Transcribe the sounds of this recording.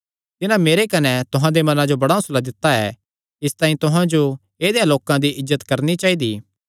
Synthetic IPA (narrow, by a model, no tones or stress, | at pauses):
t̪ɪnãmeːɾekɐnɛt̪ʊɦãd̪emɐnãd͡ʒobɐɽaʊslad̪ɪt̪ːaɛ | ɪst̪ãːĩt̪ʊɦãd͡ʒo | eːd̪ejãloːkãd̪iʔɪzːət̪kɐɾnit͡ʃaːid̪iː